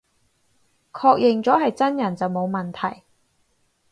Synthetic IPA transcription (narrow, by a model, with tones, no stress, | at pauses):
kʰɔː˧k̚jʔɪ˨ŋt͡sɔː˨˥ɦɐ˨jt͡sɐ˥njɐ˨˩nt͡sɐ˨wmo˨˧wmɐ˨nt̪ʰɐ̰˨˩j